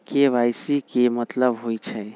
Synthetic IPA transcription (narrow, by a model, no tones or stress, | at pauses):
keʋajsikemət̪ləbɦojt͡ʃʰɛ